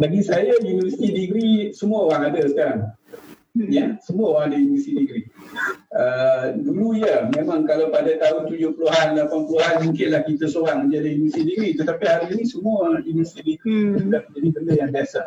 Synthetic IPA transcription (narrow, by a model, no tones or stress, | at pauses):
baɡisajajuniəsi̥t̪idiɡɾisəmuaoɾaŋadəkan | jasəmuaoɾaŋadajinəst̪idiɡɾi | əduluijamemãŋkalawpadat̪aʊnt̪ud͡ʒʊhpəluɦanlapaŋpəluɦanbiŋkɪnlahkit̪əsoɾaŋməd͡ʒadɪɦinust̪idiɡɾit̪ət̪apihaɾinisəmuəindust̪ɾidiɡɾiədaməd͡ʒadibəndəjaŋbiasa